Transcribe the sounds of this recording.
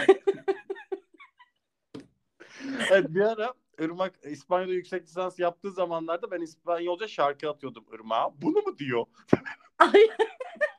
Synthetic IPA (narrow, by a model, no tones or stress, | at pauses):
ɛvɛt̪̚biaɾa | ɯɾmakispanjad̪ajycsɛclʲisansjap̚t̪ʰɯːzamanlˠaɾd̪abænispanjaolˠd͡ʒaʃaɾkɯat̪ʰɯjo̞d̪umɯ̰ɾma̰ːbunumud̪ijo | t̪ʰ | ajn